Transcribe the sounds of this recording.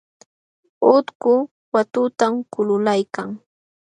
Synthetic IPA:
ʊt̪kʊ | wat̪ʊt̪amkʊlʊlajkaŋ

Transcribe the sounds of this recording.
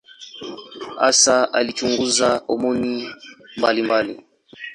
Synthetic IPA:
a̰saalit͡ʃuŋɡuzaɔmɔnimbalimbalḭ

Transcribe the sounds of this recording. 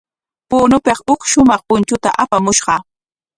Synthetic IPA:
puːnʊpeχʊkʃʊmɑχpʊnt͡ʃʊt̪a̰ʔapamʊʃɢɑ

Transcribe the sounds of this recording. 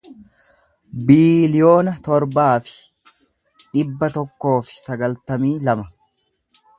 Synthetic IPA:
biːlɪjo̞ːnɐt̪ɔɾbaːfɪ̥ | ᶑɪbːɐt̪ɔkːo̞ːfɪ̥sɐɡɐlt̪ɐmiːlɐmɐ

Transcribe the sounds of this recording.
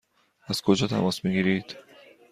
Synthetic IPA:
æz̥kʰod͡ʒɒːt̪ʰæ̰mɒːsmiɡiːɾiːd̪̥

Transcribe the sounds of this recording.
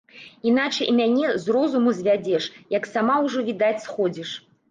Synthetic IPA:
in̪at͡ʂɐjmʲanʲɛzrɔzumuzʲvʲad͡zʲɛʂjɐksamawʐɔvʲid̪at͡sʲsxɔd͡zʲiʂ

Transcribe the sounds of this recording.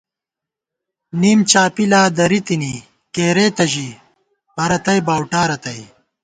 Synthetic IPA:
niːmt͡ɕaːpilaːd̪ɐɾit̪ini | keːɾeːt̪ɐʑi | pɐɾɐt̪ɐjbaːwʈaːɾɐt̪ɐj

